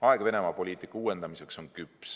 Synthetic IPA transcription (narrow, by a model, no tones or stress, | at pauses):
ɑeɡ̥ve̞ne̞mɑpo̞lʲiːt̪ˑikːɑuːwe̞nd̪̥ɑmise̞kso̞nkypːs